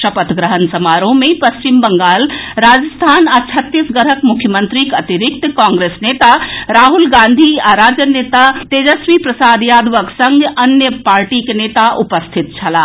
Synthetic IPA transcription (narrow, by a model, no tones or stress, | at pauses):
ʃəpət̪ɡɾəɦənsəmaɾõmepəst͡ʃimbəŋɡalɾad͡ʒəst̪ʰanat͡ʃʰət̪ːisɡəɾɦəkmukʰjəmənt̪ɾikət̪iɾik̚t̪kãŋɡɾesnet̪aɾaɦulɡãnd̪ʱiaɾad͡ʒənet̪at̪ed͡ʒəsʋipɾəsad̪jad̪ʋəksə̃ŋɡənjəpaɾʈikenet̪aʔupəst̪ʰit̪̚t͡ʃʰɐla